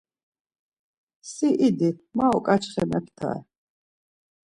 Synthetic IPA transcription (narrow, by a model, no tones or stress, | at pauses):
siʔid̪imaɔkʼat͡ʃʰχɛmɛpʰt̪ʰa̰ɛ̰